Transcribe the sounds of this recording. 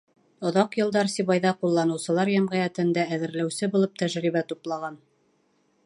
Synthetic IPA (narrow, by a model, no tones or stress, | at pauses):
ŏðɑqjɤ̆lˠd̪ɑɾsiβɑjðɑqulˠːɑnɤ̆wsɤ̆lˠɑɾjæmʁæjæt̪ɘ̆nd̪æːðɘ̆ɾlæwsɘbulˠɤp̚t̪æʒɾiβæt̪uplˠɑʁɑn